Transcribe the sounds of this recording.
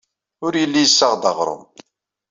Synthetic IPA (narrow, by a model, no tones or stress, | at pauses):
ʊɾjəlːijəsːɑʁd̪ɑ̰ʁɾˤə̰m